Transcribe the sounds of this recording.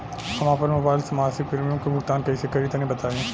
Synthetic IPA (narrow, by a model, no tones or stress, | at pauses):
ɦɐmãːpɐɾmʊbaːɪlsɐmaːsɪk̚pɪɾmijõkebʱʊkt̪aːnkɐisekɐɾit̪ɐnẽbɐt̪aːeẽ